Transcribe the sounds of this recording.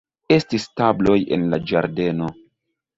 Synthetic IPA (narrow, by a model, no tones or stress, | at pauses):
e̞stistablo̞jḛnlad͡ʒaɾde̞no̞